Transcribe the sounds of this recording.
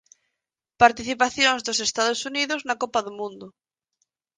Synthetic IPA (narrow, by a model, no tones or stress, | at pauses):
paɾt̪iθipaθjõŋzðosest̪aðosuniðoznakopaðomũnd̪ʊ